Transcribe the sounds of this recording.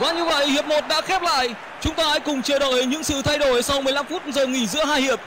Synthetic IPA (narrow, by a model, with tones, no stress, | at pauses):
kwaː˨˦ɲɨ˧və̰˧˨jhi˨˩əp̚mo˨˩t̚ɗa̰ː˧˥xɛ˦˥p̚la̰ː˧˨jʔ | t͡ɕʊ˨˦ŋ͡mt̪aː˧a˧˥jkʊ˨˩ŋ͡mt͡ɕɨ˧˩ɗo˧˩jɲɨ̰˧˥ŋsɨ̰˧˨t̪ʰa˧jɗo˧˩jsɔ˧wmɨ˨˩əjla˧mfu˦˥t̚zo˨˩jŋḭ˧˩zɨ̰˧˥əɦaː˧jhi˨˩əp̚